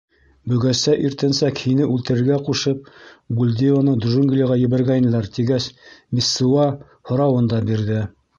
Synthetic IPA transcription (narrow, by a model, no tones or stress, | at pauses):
bɵ̆ɡæsæʔiɾt̪ɘ̆nsækhinɘʔʉlt̪ɘ̆ɾɘ̆ɾɡæquʃɤp̚bulʲd̪ʲionɤd̪ʒuŋɡlʲɪjaʁɑjɘ̆βæɾɡænnɘ̆læɾt̪iɡæsmʲisːuɑ | hŏɾɑwɤ̆nd̪ɑbiɾðɘ